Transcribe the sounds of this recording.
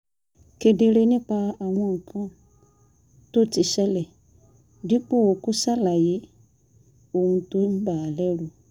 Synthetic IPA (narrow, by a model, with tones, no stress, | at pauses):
ke˨de˧ɾe˧nĩ˦k͡pa˧a˨w̃ɔ̃˧˨kʰɔ̃˦ | to˦ti˧ʃɛ˦lɛ˨ | di˨˦k͡po˦˨wo˨ku˦sa˦la˨je˨˦ | o˦˨wũ˧to˦n̩˦ba˨lɛ˦ɾu˧˦